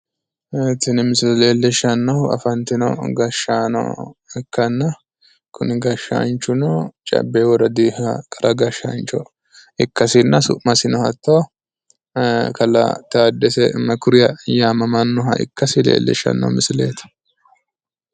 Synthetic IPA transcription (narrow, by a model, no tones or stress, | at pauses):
ɛt̪ːɪnɪmɪslleːlːɛʃːɐnːɐwʊɐ̰fɐnt̪ɪnɔ̰ɡɐʃaːnɔ̰ɪkːɐnːɐ | kʰʊnɪɡɐʃːa̰nt͡ʃːʊnɔt͡ʃʼɐ̰bːeːwɔɾɐd̪ihɐkʼɐɾʔɐɡɐʃːɐ̰nt͡ʃɔ̰ | ɪkːɐsɪnːɐsʊ̰ʔmɐsɪnɔhɐt̪ːoː | kɐlɐ̰t̪aːd̪ːɛsɛmɐkʊɾɪjɐjaːmɐmɐnːɔɦɐ̰ɪ̰kːɐsɪlḛːlːɛ̰ʃːɐ̰nːɐ̰wmɪsɪlḛːt̪ɐ̥